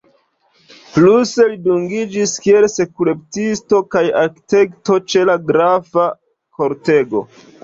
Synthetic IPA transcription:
pluse̞liduŋɡid͡ʒiskie̞lse̞kule̞ptisto̞kajakte̞kto̞t͡ʃe̞laɡɾafa | ko̞ɾte̞ɡo̞̰

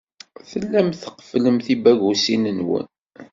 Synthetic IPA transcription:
θəlːæmθəqə̥fləmθibæʝusinənwə̰n

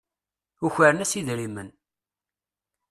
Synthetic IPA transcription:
uçəɾənæsiðɾimən

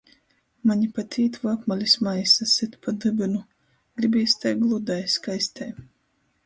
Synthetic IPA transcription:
maɲʲipat̪ʰiːt̪vapmalʲisʲmajsasɨt̪pad̪ɨbʲinu | ɡ̥ɾibʲiːsʲt̪ajɡlˠud̪ajskajsʲt̪ɛj

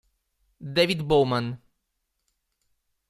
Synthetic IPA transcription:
d̪evid̪bowmãn

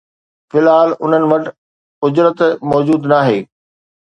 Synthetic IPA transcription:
fɪlɦaːlʊn̤ənɪ̆ʋɐʈ | ʊd͡ʑɾət̪mɔːd͡ʑuːd̪naːɦeː

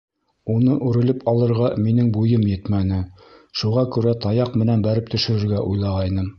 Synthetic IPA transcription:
unɤʔʉɾɘ̆lɘpʰɑlˠɤ̆ɾʁɑminɘŋbujɤmjɘt̪mænɘ | ʃuʁɑkʉɾæt̪ɑjɑqmɘ̆nænbæɾɘp̚t̪ɵ̆ʃɘ̆ɾɘ̆ɾɡæʔujlˠɑʁɑjnɤm

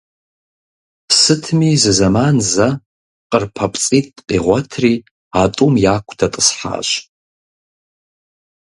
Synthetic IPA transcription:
sɨtʰmizɨzamanza | qʼərpʰapʼt͡sʼitʼqʼiʁʷatʰri | atʼumjakʷʰdʰatʼəsħa̰ʃʷ

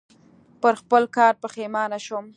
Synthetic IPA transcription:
pəɾxpəlkɑɾpəxemɑnaʃum

